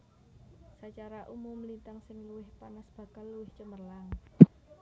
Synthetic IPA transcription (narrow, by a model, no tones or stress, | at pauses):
sat͡ʃaɾaʔumʊmlint̪aŋsɪŋluwɪhpanasb̥ä̤ka̤lːuwɪht͡ʃəmərlaŋ